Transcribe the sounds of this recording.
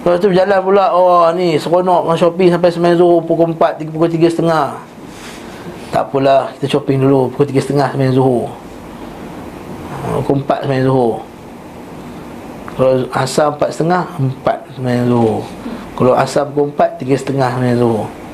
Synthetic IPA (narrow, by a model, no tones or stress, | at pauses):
lɔʔt̪̬ubəd͡ʒalanpulaʔɔnisəkonɔʔat͡ʃopɪŋsampajsəmajaŋsuhupukumpat̪ipukot̪̬iɡəsə̥t̪əŋah | t̪a̰ʔpulaki̥t̪at͡ʃopɪŋdulupukut̪iɡəsət̪əŋahsəmajaŋsuɦu | pukuəmpa̰t̪̚səmajaŋsuɦu | kalaasaəmpat̪̚sə̥t̪əŋahəmpa̰t̪̚səmajaŋsuɦu | kalawa̰sapukumpat̪ːiɡəsə̥t̪əŋahsəmajaŋsuɦu